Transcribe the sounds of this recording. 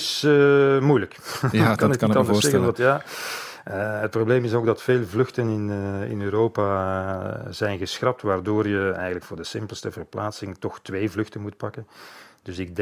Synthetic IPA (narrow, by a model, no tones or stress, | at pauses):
səmujləkkɑnɪtnɑnd̪ərssɛɣənʋɑtjaː | əət̚probleːmɪsoːɡdɑtfeːlˠvlʏxtənɪnɪ̰nøːɾoːpa | zɛjnɣəsxrɑp̚tʋaːrdoːrjəɛ̰jɣənləkfʊːrdəsɪmpəlˠstəvərplaːtsɪŋtɔxtʋeːvlʏxtənmut̚pɑkənd̥ɵsɪɡ̚dɛ